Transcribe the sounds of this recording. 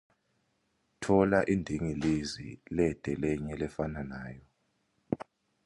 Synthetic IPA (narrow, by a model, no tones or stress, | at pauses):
tʰɔlaʔindʱiŋilizḭlɛd̥ʱɛlɛɲɛlɛfananaːjɔ